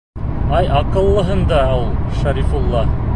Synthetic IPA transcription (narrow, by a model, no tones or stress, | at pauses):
ɑjɑqɤ̆lˠːɤ̆ɦɤnd̪ɑulˠʃæɾifulˠːɑ